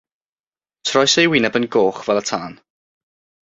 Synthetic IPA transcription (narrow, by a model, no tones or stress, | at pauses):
tʰrɔjsejwɪnɛbənɡoːχvɛlˠətʰaːn